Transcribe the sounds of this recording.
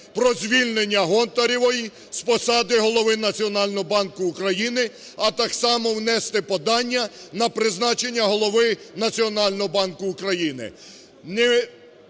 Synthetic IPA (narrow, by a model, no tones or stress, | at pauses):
pɾɔzʲʋʲilʲnenʲːɐɦɔnt̪ɐɾʲiʋɔji | spɔsɑd̪ɪɦɔlˠɔʋɪnɐt͡sʲiɔnɑlʲnɔɦɔbɑnkʊːkɾɐjinɪ | ɐt̪ɑksɑmɔwnɛst̪ɪpɔd̪ɑnʲːɐnɐpɾɪznɑt͡ʃenʲːɐɦɔlˠɔʋɪnɐt͡sʲiɔnɑlʲnɔɦɔbɑnkʊːkɾɐjinɪ̰ | ne